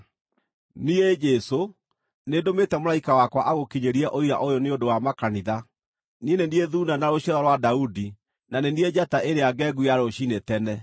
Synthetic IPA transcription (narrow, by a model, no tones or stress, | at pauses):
nied͡ʒɛso | neːdometɛmolaikawakwaʔaɣokiɲeɾiɛʔoiɾa̰ʔojɔneondowamakaniða | nieneniɛðuːnanaɾoɕaɾɔɾwadaudi | naneniɛd͡ʑataʔeɾeaɡɛɡuiaɾoɕinetɛnɛ